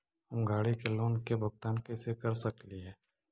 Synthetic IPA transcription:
ɦʊmɡʱaːɽikeloːnkebʱʊɡ̚t̪aːnkesekɐɾsəkliɦɛː

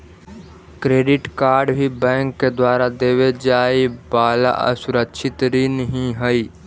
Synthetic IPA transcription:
kɾeːɖɪʈkaːɾɖbʱibɛ̃ːŋkːed̪waːɾad̪eːwed͡ʒaːibaːla̰ʔə̰sʊɾəkʃʰɪt̪ɾinəɦĩɦəi

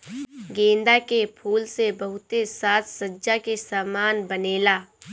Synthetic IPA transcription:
ɡẽːnd̪akepʰuːlsebɐɦʊt̪esaːt̪ʰsəːd͡ʒakesaːmaːnbəneːlaː

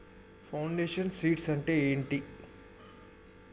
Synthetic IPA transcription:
pʰɐwɳɖeːʂɐnsiːʈsɐɳʈe̞ːeːɳʈi

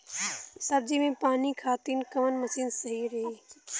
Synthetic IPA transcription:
sɐɾd͡ʒimẽpaːnikʰaːt̪iːnkɐmənmɐsiːnsɐɦiɾɐɦiː

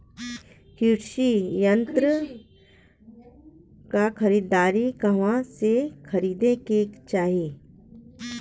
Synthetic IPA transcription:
kiʈʃijə̃nt̪ɾə | kakʰɐɾiːd̪aːɾikɐʋãsekʰɐɾiːd̪ekeːkt͡ʃaːɦije

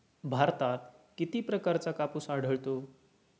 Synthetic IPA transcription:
bʱaɾt̪at̪̚kit̪ipɾəkaɾt͡sakapusaɽ̤ʱəɭt̪o

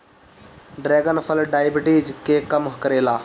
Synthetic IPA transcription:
ɖɾɛːɡənpʰəlɖaːjbɪʈid͡ʒkeːkəmɦkəɾeːlaː

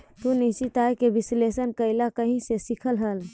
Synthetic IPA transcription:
t̪unisit̪ajkebislesənkəɪlakəɦĩsesikʰəlɦəl

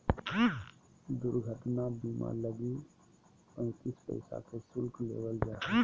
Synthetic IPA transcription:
d̪ʊɾɡʱəʈnabiːma̰ləɡi | pə̃nt̪iːspə̰ɪsa̰kʰesʊlklḛːʋəld͡ʒaː

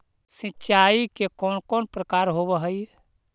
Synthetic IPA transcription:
sitːt͡ʃaikekɔnkɔnpɾəkaːɾɦoβəɦəj

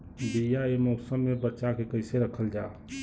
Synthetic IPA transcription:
bijaemosəmːebəːʃakekəɪseɾəkʰəld͡ʒa

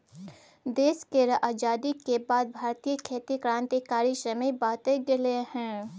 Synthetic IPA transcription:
d̪eːskeɾʔaːd͡ʒaːd̪ikebaːd̪̚bʱaːɾt̪ijəkʰeːt̪ikɾãːnt̪ikaːɾiʃɐmeibaːt̪eɡɪlehɛ̃ː

